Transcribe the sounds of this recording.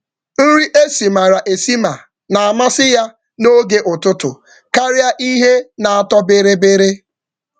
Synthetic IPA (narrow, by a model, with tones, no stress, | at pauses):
n̩˦ɾi˦ʔe˦si˨ma˨ɾa˨ʔe˨si˦ma˨ | na˨a˨ma˦sɪ˦ja˦ | no˦ɡe˦ʔʊ˨tʊ˦tʊ̰˨ | ka˦ɾja˦ʔi˦ɦe˦na˨a˦tɔ˦be˦ɾe˦be˦ɾe˦